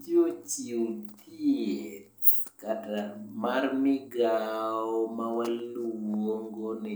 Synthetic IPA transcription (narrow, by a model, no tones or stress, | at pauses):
d͡ʒot͡ʃiwt̪ʰiet | katamarmɪɡaɔmawalːuwoŋɡonɪ